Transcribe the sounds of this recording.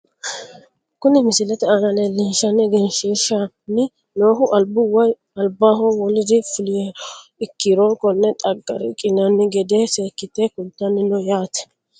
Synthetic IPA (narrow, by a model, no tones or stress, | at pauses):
kʊnɪmɪsɪlɛt̪ɛanɐlɛlɛnʃɐnːɪɡɛnʃiʃɐ | nɪ | noːɦʊʔɐlbʊwɐj | ɐlbaːɦɔwɔlɪd̪ɪfʊlɪjɛɪkːɪɾokɔnːɛt̪ʼɐɡːɐ̰ɾɛkʼɪnɐnːɪɡɛd̪eːseːkːɪt̪ːeːkʊnt̪ːɐnːɪnɔjaːt̪ɛ̥